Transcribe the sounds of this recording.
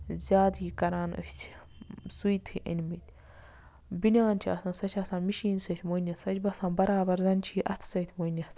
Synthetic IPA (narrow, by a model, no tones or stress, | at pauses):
zʲaːd̪iːkɐɾaːnə̰st | sujt̪ʰɨʔɐ̰nʲmit̪ʲ | binʲaːnt͡ʃʰiɐ̰sɐnsɐt͡ʃʰʲɐsãːnmiʃiːnsɐt̪ʰʲmonɐsɐt͡ʃʰʲbɐsãːnbɐɾaːbɐɾzɐnt͡ʃʰiːʔɐt̪ʰsɐt̪ʰmonʲɐt̪ʰ